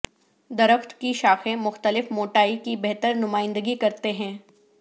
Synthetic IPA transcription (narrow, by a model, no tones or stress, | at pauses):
d̪ɐɾəxt̪kiʃaːxẽmʊxt̪əlɪfmoːʈaːikibɛɦt̪əɾnʊmaːɪ̃nd̪əɡikɐɾt̪eɦɛ̃ː